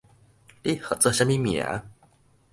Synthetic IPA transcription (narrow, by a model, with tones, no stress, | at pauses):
li˥˩xɤ˨˩t͡sɤ˥˧˨ɕa˥mi˥mi˨˩a̰˧˦